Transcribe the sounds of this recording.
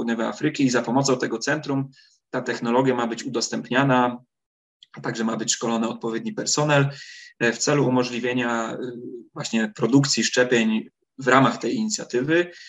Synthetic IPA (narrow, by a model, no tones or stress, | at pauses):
ud̪ɲɛvɛa̰fɾɘkʲiːzapɔmɔt̪sɔ̃w̃t̪ɛɡɔt̪sɛnt̪ɾum | t̪at̪ɛxn̪ɔlɔɡʲjamabɘt͡ɕud̪ɔst̪ɛmpɲana | t̪aɡʐɛmabɘt͡ɕʂkɔlɔnɘɔt̪̚pɔvʲjed̪̚ɲipɛɾsɔnɛlft̪sɛluːmɔʐlʲivʲjeɲa | vwaɕɲɛpɾɔd̪ukt̪sʲiʂt͡ʂɛpʲjeɲ | vɾamaxt̪ɛjiɲit̪sʲjat̪ɘvɘ